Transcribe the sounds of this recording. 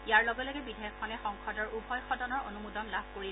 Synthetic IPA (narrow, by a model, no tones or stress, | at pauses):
ijaɹlɔɡɔlɔɡɛbidʱeɔxkʰɔnɛxɔŋkʰɔdɔɹubʱɔjxɔdɔnɔɹonumudɔnlabʱkoɹi